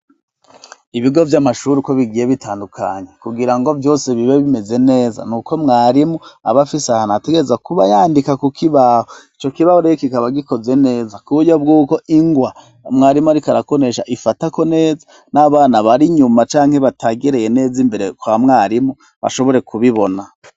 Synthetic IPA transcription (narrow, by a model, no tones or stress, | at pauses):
iβiɡo̞vjamaʃuɾiko̞βiɡije̞βitʰaːndukʰaɲe̞kuɡiɾaŋɡo̞vjo̞ːse̞βiβeβime̞ze̞ne̞ːza̰nuko̞mŋaːɾimua̰βafisahanate̞ɡe̞ɾezakuβajaːndikakukʰiβahoit͡ʃo̞kiβahoɾejokikaβaɡiko̞ze̞ne̞ːzakuujob̚ɡuːko̞ʔiŋɡwa | mŋaːɾimuaɾikaɾako̞ne̞ʃaʔifatako̞ne̞ːza | naβaːnaβaɾiɲumat͡ʃaːŋ̥he̞βatʰaɡeɾe̞je̞ne̞ːzimbe̞ɾe̞kwamŋaːɾimu | βa̰ʃo̞βo̞ɾe̞kuβiβo̞na